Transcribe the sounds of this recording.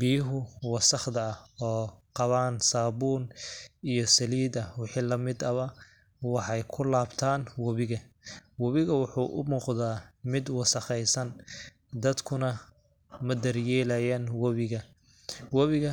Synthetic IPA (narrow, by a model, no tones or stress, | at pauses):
bijʊɦʊwɑsɐχd̪ɐɔːqɑβaːnsaːbuːnijɞsɐliːd̪ɐwɪħiːlɐmɪd̪ɐβɐ | wɑħɑjkʰʊlaːbt̪ʰaːnwɐβɪɣɐwɐβɪɣɐwɑħṵːʔʊ̰muːqðaːmɪd̪wɑsɐχɛjsɐn | d̪ɐd̪kʰʊnɐ | mɐd̪ɐrjɛːlɐjaːnwɐβɪɣɐ | wɐβɪɣɐ